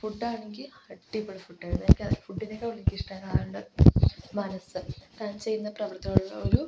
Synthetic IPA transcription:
fuʈːaːɳeŋɡilhɐʈːipːoɽufuʈːaːɾunːeikʲːɐðɐfuɖːinekɐʋulːeŋkʲiʂʈɐkaːjuɳɖɨmaːnɐsɨt̪aːnt͡ɕe̞jːunːɐprɐʋɐrt̪ːiɣɐɭuɭːɐ̰oɾu

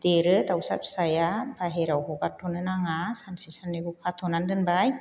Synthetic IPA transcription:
t̪eɾɯt̪awsa̰p̚sajabʰaɦeɾawɦokattʰːonɯnaŋasansisanːibukʰat̪ʰonandɯnbaj

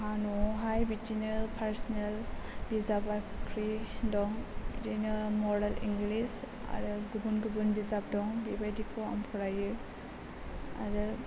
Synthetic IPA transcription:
ɦanɔɦajbitinepʰaɾsnelbizabakʰɾidɔŋdinɯmɔɾalḭŋɡlis | a̰ɾɯɡubunɡɯbɯnbizap̚dɔŋbibajdikʰɯa̰mpʰɔɾajɯ | a̰ɾɯ

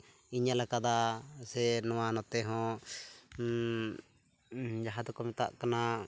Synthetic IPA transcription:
iɲalakad̪asɛnɔwanɔt̪ɛɦɔ̃ | d͡ʒaɦad̪ɔkɔmɛt̪a̰ʔkana

